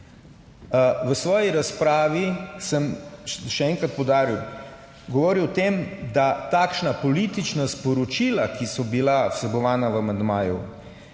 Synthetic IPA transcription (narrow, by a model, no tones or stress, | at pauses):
ʋəsʋɔːjiɾaspɾaːʋisəmʃɛɛːŋkɾat̪̚pɔwd̪aːɾiw | ɡɔʋoːɾiwt̪emd̪at̪aːkʃnapɔliːt̪it͡ʃnaspɔɾɔt͡ʃilakisɔbilawsɛbɔʋaːnaʋamand̪maːjṵ